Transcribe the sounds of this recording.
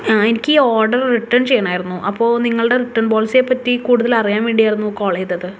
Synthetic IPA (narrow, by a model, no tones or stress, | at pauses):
aenikʲːɨiːoːrɖɐrriʈːɐɳt͡ɕe̞jːɐɳaːjiɾunːuʔɐpːo̞ːniŋːɐɭɨɽeriʈːɐɳboːlse̞pɐtːikuːɽuðɐlɐrijaːmiːɳɖijaːjiɾunːuko̞ːɭeːd͡ʑɐðɨ